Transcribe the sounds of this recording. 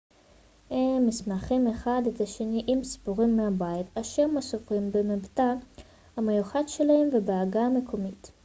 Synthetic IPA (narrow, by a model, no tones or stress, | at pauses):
hemːismaχimeχadet̪aʃe̞niʔimsi̥puʁimːeabaitaʃeʁmasufimbemebta | hamejuχadʃelahemvebeaɡame̞kʰomit